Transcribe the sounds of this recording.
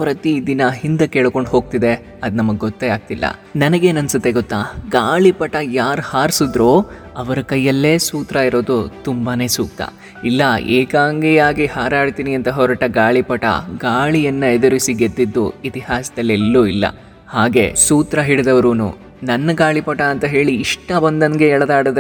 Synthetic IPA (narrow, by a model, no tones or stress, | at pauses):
pɾɐt̪id̪inɐɦind̪ɐkeːɭko̞ɳɖɦo̞ːɡ̚t̪id̪e̞ | ɐd̪nɐmɐɡeɡɔt̪ːeaːɡ̚t̪ilːɐ̰nɐnɐɡe̞ːnɐnsut̪ːe̞ɡot̪ːaːɡaːɭipɐʈɐjaːɾhaːɾsud̪ɾoː | ɐʋɐɾɐkɐjːɐlːe̞ːsuːt̪ɾɐiɾo̞ːd̪ut̪umbaːne̞ːsuːk̚t̪ɐ̰ | ilːɐḛːkaːŋɡijaːɡihaːɾaːɖt̪iːniɐnt̪ɐɦɔɾɐʈɐɡaːɭipɐʈɐ̰ɡaːɭijɐnːɐed̪ɐɾʋisiɡed̪ːid̪ːṵit̪ihaːsɐd̪ɐlːelːuilːɐ̰ | haːɡe̞̰suːt̪ɾɐɦiɽd̪ɐʋɐɾuːnṵː | nɐnːɐɡaːɭipɐʈɐːnt̪ɐɦe̞ːɭiːʂʈɐbɐnd̪ɐnɡeɛɭɐd̪aːɽɐd̪